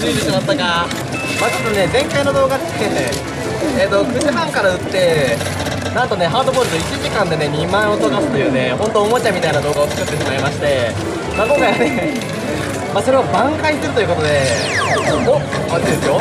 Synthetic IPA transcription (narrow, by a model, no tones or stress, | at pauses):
iɾɯɕinat̪ːoɡa | maːt͡ɕot̪ːone̞zẽ̞ŋkaino̞d̪o̞ːɡae | et̪ːokɯzibãŋkaɾaɯ̟t̪ːe̞ | nãnt̪o̞ne̞ɦaːd̪o̞boːɾɯ̟t̪oit͡ɕiʑikãnd̪e̞ne̞ɲ̟imãɰ̃o̞t̪okasɨ̥t̪o̞jɯ̟ːne̞hõ̞nt̪o̞ːmot͡ɕamʲit̪ainad̪o̞ːɡaot͡sɨ̥kɯt̪ːe̞ɕimaimaɕi̥t̪e̞ | maːko̞ŋkajane | maːso̞ɾe̞βabãŋkaiseɾɯ̟t̪ojɯ̟ko̞t̪o̞d̪e̞ | ooɡo | and̪esɨjo̞